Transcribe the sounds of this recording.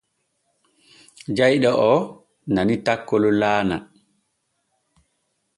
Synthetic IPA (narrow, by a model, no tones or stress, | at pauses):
d͡ʒajɗɔʔɔ | nanitakːɔlɔlaːna̰